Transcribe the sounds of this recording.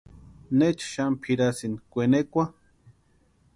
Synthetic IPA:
net͡ʃʃampʰiɾasinikʷenekʷa

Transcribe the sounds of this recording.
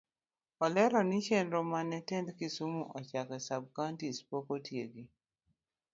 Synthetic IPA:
ɔlɛɾɔnit͡ʃɛnɾomanɛtɛndkisumuʔɔt͡ʃakɛsab̚kantispokotjeɡi

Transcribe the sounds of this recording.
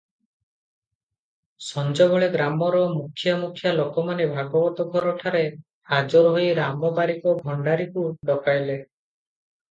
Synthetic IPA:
sɔnd͡ʒɔbɔɭeɡɾamɔɾɔmukʰjamukʰːjalokɔmanebʱaɡɔbɔt̪ɔɡʱɔɾɔʈʰaɾe | had͡ʒɔɾɔɦojɾamɔbaɾikɔɡʱɔɳɖaɾikuɖɔkajle

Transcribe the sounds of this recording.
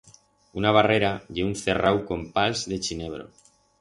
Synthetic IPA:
unaβ̞are̞ɾaʎe̞unθerawko̞mpalzðe̞t͡ʃine̞β̞ɾo̞̰

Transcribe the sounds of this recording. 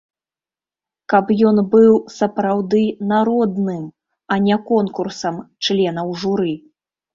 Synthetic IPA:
kɐpjɔnbɨwsɐpɾawd̪ɨnaɾɔd̪nɨm | ɐnʲɛkɔnkursɐmt͡ʂlʲɛnɐwʐuɾɨ

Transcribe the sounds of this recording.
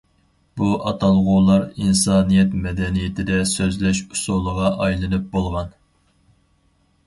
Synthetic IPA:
b̥uʔɑt̪ʰɑlˠʁʊlˠɑɾinsɑːnijɛt̪mɛd̪ɛnijɪt̪ʰɪd̪ɛsøzlɛʃusulˠəʁɑʔɑjlˠɨnɨp̚bolˠʁɑn

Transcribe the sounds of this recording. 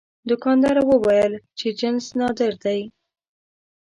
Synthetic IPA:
d̪ʊkɑnd̪ɑɾawəwajəlt͡ʃed͡ʒɪnsnɑd̪əɾd̪aj

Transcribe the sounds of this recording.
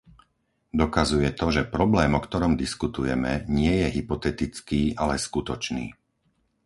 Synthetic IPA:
d̪ɔkazujɛt̪ɔʒɛpɾɔblɛːmɔkt̪ɔɾɔmd̪iskut̪ujɛmɛɲɪɛjɛɦipɔt̪ɛt̪it͡skiːʔalɛskut̪ɔt͡ʃnḭː

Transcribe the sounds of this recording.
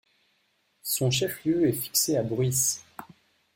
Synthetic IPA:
sɔ̃ʃɛfljøɛfi̥kseabʁis

